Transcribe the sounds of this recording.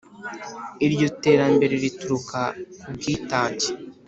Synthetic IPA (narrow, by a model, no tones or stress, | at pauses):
iɾjote̞ːɾambe̞ɾeɾituɾukaubɡiːtaːce̥